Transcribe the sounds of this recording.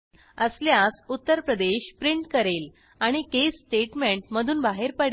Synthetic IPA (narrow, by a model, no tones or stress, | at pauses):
əsljasut̪ːəɾpɾəd̪eɕpɾiɳʈkəɾel | aɽ̃ikesːʈeʈmẽɳʈməd̪ʱuːnbaɦeɾpəɽ